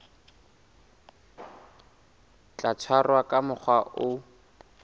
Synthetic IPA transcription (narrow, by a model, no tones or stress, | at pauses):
t͡ɬat͡sʰwarwakʼamʊk͡xʰwaʔʊ